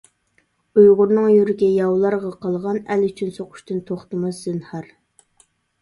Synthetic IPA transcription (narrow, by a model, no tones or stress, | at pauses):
ujʁʊɾnɨŋjyɾɡʲɛjɑwlˠɑɾʁɑqɑlˠʁɑnɛlyt͡ʃʰynsoqʰʊ̥ʃt̪ɨnt̪ʰoχt̪ɨmɑszɨnhɑɾ